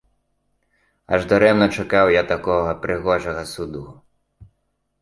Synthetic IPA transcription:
ɐʒd̪ɔɾɛmnɔt͡ʃɐkɑwjat̪akɔɦɐpɾʔɪɣɔʒɐɦɐsud̪uɦʊ

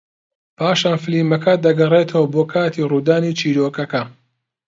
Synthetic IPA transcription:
pʰaːʃaːnfɨliːmɐkʰɐd̪ɐɡɐreːt̪ʰəwɐboːkʰaːt̪ʰiruːd̪aːnit͡ʃʰiːɾoːkɐkɐ

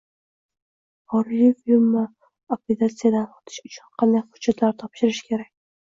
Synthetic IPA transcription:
ɒɾlifilma | apet̪at̪sijad̪anqɒt̪ʰɪ̥ʃʊt͡ʃʰʊnqʰɑnd̪ajhʊ̥dd͡ʒat̪laɾt̪ʰɒpʃɪɾɪʃkʲʰe̞ɾakʲ

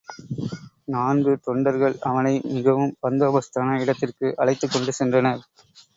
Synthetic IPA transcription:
naːnɡɯt̪ɔɳɖɐɾɣɐɭɐʋɐnɐɪmɪɣɐʋɯmpɐnd̪oːbɐst̪aːnɐɪɽɐt̪ːɪrkɯʔɐɭɐɪt̪ːɯkːɔɳɖɯsɛndrɐnɐɾ

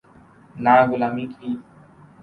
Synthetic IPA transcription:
naɡulamiki

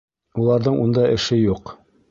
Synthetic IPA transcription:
ulˠɑɾðɤɴund̪ɑʔɘ̆ʃɘjuq

